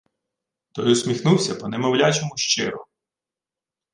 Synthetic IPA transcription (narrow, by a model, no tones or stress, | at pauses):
t̪ɔjɔsʲmʲixnuwsʲɐpɔnemɔwlʲat͡ʃɔmʊʃt͡ʃɪ̰ɾɔ̰